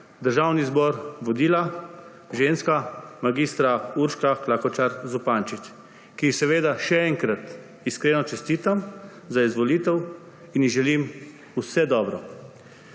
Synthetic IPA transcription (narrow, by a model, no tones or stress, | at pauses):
d̪əɾʒawnizbɔɾʋɔd̪iːla | ʒenskamaɡist̪ɾauɾʃkaklakɔt͡ʃaɾzupaːnt͡ʃit͡ʃ | kiixsɛʋeːd̪aʃɛɛŋkɾat̪ | iskɾeːnɔt͡ʃɛst̪iːt̪am | zaizʋɔliːt̪ɛw | iniɣʒɛlim | usɛd̪ɔːbɾɔ